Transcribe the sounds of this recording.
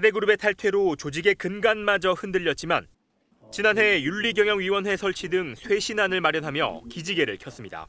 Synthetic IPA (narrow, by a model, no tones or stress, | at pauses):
de̞ɡɯɾube̞tʰaɭtʰwe̞ɾot͡ɕod͡ʑiɡe̞kɯnɡanmad͡ʑʌɸɯndɯʎːʌt̚t͡ɕ͈ima̰n | t͡ɕinanɦe̞juɭːiɡjʌŋjʌŋɥiwʌnɦwe̞sʰʌɭt͡ɕʰidɯŋsʰwe̞ɕʰinanɯɭmaɾjʌnɦamjʌ̰kid͡ʑiɡe̞ɾɯ̰ɭkʰjʌs͈ɯmɲida̰